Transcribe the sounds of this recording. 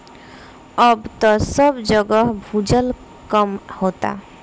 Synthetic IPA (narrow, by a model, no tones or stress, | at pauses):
əbt̪ɔsəbd͡ʒəɡəɦbʱud͡ʒəl | kəmhot̪a̰